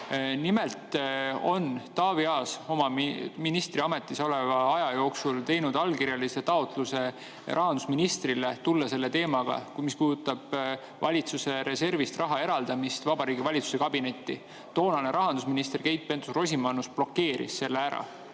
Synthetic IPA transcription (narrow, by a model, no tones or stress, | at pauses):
nime̞lt̪o̞nːɑːviɑːso̞mɑminist̪riɑme̞t̪ːˑiso̞le̞vɑɑjɑjo̞ːksult̪e̞jnud̪̥ɑlkiɾjɑlise̞t̪ɑo̞t̪ˑluse̞ | ʔɑɦɑnd̪usminist̪rilet̪ulːɑse̞lːe̞t̪e̞ːmɑɡ̥ɑ̰mispuːd̪ut̪ːˑɑb̥ | vɑlʲit̪suse̞ɾe̞se̞rvist̪rɑɦɑe̞ɾɑld̪̥ɑmist̪vɑbɑɾiːɡivɑlʲit̪su̥se̞kɑbine̞t̪ːi | t̪o̞ːnɑne̞ɾʔɑɦɑnd̪̥us̬minist̪e̞rke̞jt̪̚pe̞nt̪u̥sro̞s̬ʲimɑnusb̥lo̞kːe̞ːɾḭsːe̞lːeæɾɑ̰